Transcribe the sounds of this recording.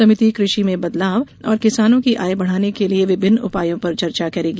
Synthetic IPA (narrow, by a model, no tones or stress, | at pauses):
ɐmɪt̪ikɾɪʃimẽbɐd̪laːʋ | ɔːɾkɪsaːnõkiʔaːebɐɽ̤aːnekelieʋɪbʱɪnːʊ̰paːjõpɐɾt͡ʃɐɾt͡ʃakɐɾeːɡi